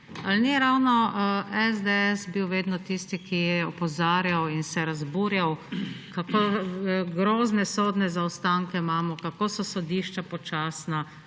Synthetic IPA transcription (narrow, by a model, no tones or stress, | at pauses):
alniɾawnɔɛzd̪eɛsbiwʋeːd̪nɔt̪ist̪ikijɛɔpɔzaːɾjawinsɛɾazbuːɾjawkako | ɡɾoːznɛsoːd̪nɛzaɔst̪aŋkɛmaːmɔkakosɔsɔd̪iʃt͡ʃapɔt͡ʃaːsna